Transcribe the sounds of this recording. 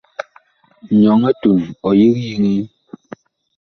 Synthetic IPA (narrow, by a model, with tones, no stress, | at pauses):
ɲɔ˨ŋɛ˦tu˨nɔ˨ji˦k̚ji˦ŋi˦